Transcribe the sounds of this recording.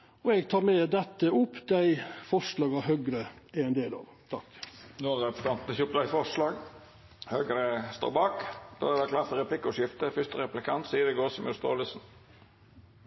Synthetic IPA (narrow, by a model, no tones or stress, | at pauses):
ɔɛɡt̪ʰɑːɾmɛːd̪ɛt̪ːəʊpːd̪æɪfɔʂlɑːɡɑhœɡɾəæɛnd̪eːlɑ̰ːʋt̪ʰɑkːnoːʁɛpst̪ɑnt̪nəçʊpːd̪æɪfɔʂlɑːɡ | hœɡɾəst̪o̰ːbɑːkd̪̥o̰ːæɾd̪ɛklɑːɾt̪əɾɛplɪkːʊʂɪft̪əfʏst̪əɾɛplɪkʰɑnt̪siːəd̪ɛɡoːsɔmjʊst̪o̰ːləsn̩